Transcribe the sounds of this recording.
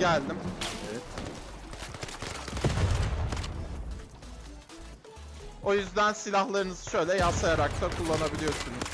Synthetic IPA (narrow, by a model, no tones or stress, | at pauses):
ælʲd̪imɛt̪ | o̞jyzd̪ænsilʲahlˠaɾɯnɯzɯʃø̞jlʲɛjasajaɾakt̪ʰakʰulˠːanabilʲijo̞ɾsunuz̥